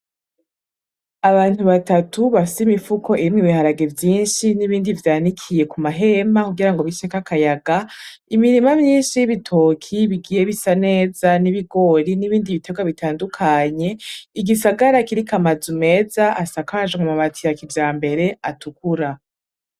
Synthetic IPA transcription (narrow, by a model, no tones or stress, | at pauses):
aβaːn̥huβatatuβafi̥simifuko̞ʔiɾimŋiβihaɾaɡe̞vjiːnʃiniβiːndivjaːnikʰije̞kumaɦe̞makuɡiɾaŋɡoβiʃekakajaɡa | imiɾimamɲiːnʃijβitʰoːkʰiβiɡijeβisane̞ːzaniβiɡo̞ːɾiniβiːndiβite̞ɡwaβitʰaːndukʰaɲe̞iɡisaɡaɾakiɾikamazume̞ːzaʔasakaʒemumaβatʰijakivjaːmbe̞ɾe̞atukuɾa